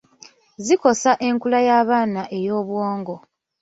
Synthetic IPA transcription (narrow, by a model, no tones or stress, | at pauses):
ziko̞saʔe̞ŋkulajaːβaːnaʔejo̞ːβwoːŋɡo̞